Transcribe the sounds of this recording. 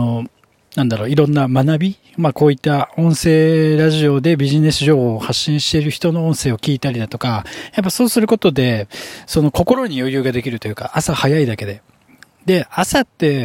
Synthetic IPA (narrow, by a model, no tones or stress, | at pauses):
o | nãnd̪aɾo̞ːiɾõ̞nːamanabʲi | mako̞ːit̪ːaõ̞ɰ̃se̞ːɾaʑio̞d̪e̞bʲiʑine̞sɨʑo̞ːho̞ːhaɕːĩɕi̥t̪e̞ɾɯ̟çi̥t̪o̞no̞õ̞ɰ̃se̞ːo̞kʲiːt̪aɾʲid̪at̪o̞kajap̬ːaso̞ːsɨɾɯ̟ko̞t̪o̞d̪e̞so̞no̞ko̞ko̞ɾo̞ɲ̟ijo̞jɯ̟ːɡad̪e̞kʲiɾɯ̟t̪o̞jɯ̟ːka̰ʔasahajaid̪ake̞d̪e̞ | d̪e̞asat̪ːe̞